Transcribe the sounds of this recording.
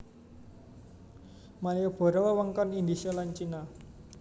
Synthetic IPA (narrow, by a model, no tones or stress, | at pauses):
malijob̥ɔ̤ɾɔwəwəŋkɔnind̪isiɔlaɲt͡ʃina